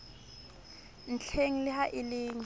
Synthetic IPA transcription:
n̩t͡ɬʰeŋ̩lɪɦaʔɪlɪːŋ

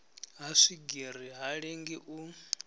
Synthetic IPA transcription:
ɦaʂiɡiriɦaɺeŋɡiʔu

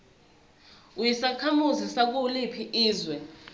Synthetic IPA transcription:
ujisakʰamuzisak̬ulipʰiʔiːzwɛ

